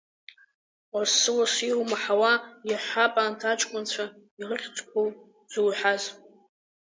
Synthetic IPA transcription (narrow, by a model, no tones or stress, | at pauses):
wassɨwasiwmaħawajaħʷapʼaːntʰat͡ʃʼkʷʼʊnt͡ɕʷʰa | irɨχʲt͡sʼkʷʰow | d͡zuwħaz